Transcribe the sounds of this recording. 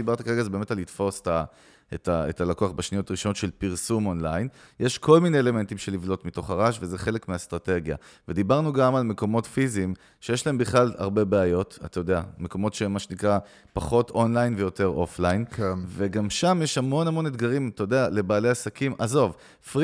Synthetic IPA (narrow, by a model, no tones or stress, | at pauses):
ibaʁt̪akaʁe̞ɡazebeme̞talitfo̞se̥ta | etaḛtalakoaχbeʃnijo̞t̪aʁiʃo̞notʃe̞lpiʁsumonlajnjʔe̞ʃkʰo̞lmineele̞me̞ntimʃe̞livlo̞tmito̞χaʁaʃvezeχe̞le̞kmeast̪ʁate̞ɡja̰ve̞d̪ibaʁnuɡamalme̞ko̞mo̞tfizim | ʃejeʃlaembiχlala̰ʁbe̞beajo̞tat̪ajo̞d̪eame̞ko̞mo̞tʃemaʃenikʁa | paχo̞to̞nlajnvejo̞te̞ʁo̞̰flajnkve̞ɡamʃamje̞ʃhamo̞namo̞ned̪ɡaʁimt̪ajod̪eale̞baːleasakimʔazo̞v | fʁ